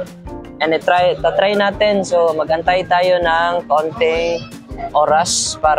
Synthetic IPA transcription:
ʔɛnɛt̪ɾajt̪at̪ɾajnaːt̪ɛnsomɐɡɐnt̪ajt̪aːjonɐŋkont̪ɪŋ | ʔoːɾɐspaːɾ

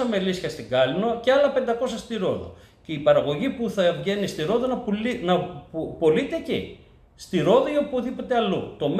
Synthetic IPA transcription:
ɐmelisçɐst̪iɡɐlinoceɐlɐpe̞nd̪ɐko̞sɐst̪iɾo̞̰ðo̞̰ | ceipɐɾɐɣo̞ʝipuθɐevʝe̞nist̪iɾo̞ðonɐpinɐppo̞lit̪ecḭ | st̪iɾo̞ðoiopoðipot̪e̞ɐlut̪o̞m

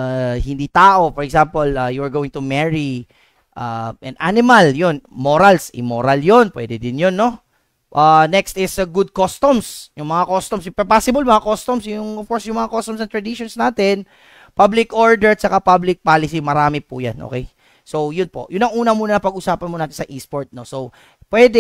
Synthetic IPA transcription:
hɪnd̪it̪aːʔo̞fɔɾɹɛɡsampolajuɹɡoːwɪŋt̪ʊmɛɹi | ʔaʔɛnd̪ʔanɪmɐljonmoɾalsʔɪ̰moɾɐljonpwɛ̰d̪ɛd̪ɪnjonːo̞ | ʔanɛkst̪ɪsɐɡud̪̚kost̪ɔmsjʊŋmɐŋakost̪ɔmsjpɛpasɪbɐlmɐŋakost̪omsjʊŋɔfkɔɹsjʊŋmɐŋakost̪ɔmsɐŋt̪ɹɐd̪ɪʃonsnaːt̪ɛn | pablɪkʔoɹd̪ɛɹt͡ʃɐkapablɪk̚paːlɪsimɐɾaːmɪpṵja̰nʔo̰kɛj | sowjʊnpo̞ʔjʊnɐŋʔuːnɐmuːnɐnɐpɐɡʔʊsaːpɐnmonaːt̪ɪnsɐʔispoɹt̪̚nosow | pwɛd̪ɛ

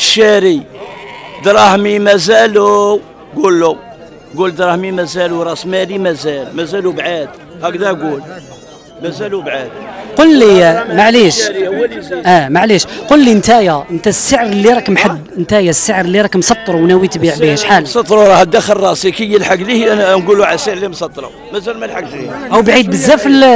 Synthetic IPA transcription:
əʃːæɾi | d̪ɾˤɑhmimæzælu | ɡulːu | ɡuld̪ɾˤɑhmimæzæluɾˤɑsmælimæzælmæzælubʕad̪ | hækd̪æɡul | mæzælubʕad̪̚qollimaʕliʃ | ʔæmaʕliʃqolliənt̪æjæʔənt̪æsːəʕəɾlːiɾˤɑkmħəbːənt̪æjæsːəʕɾəlːiɾˤɑkmsˤɑt̪ˤːɾuwnæwit̪biʕbihæʃħalsˤɑt̪ˤɾuɾˤɑhəd̪æxəlˤɑsikijːəlħaɡlihænænɡuluʕasəʕɾlimsɑt̪ˤːɾˤṵ | mæzælmælħaɡliʔæwbʕid̪̚bəzːæfəl

